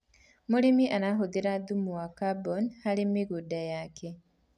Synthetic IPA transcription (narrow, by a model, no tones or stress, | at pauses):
muɾimiʔanaɦud̪iɾad̪umuwakabɔnhalimiɡudajakʰe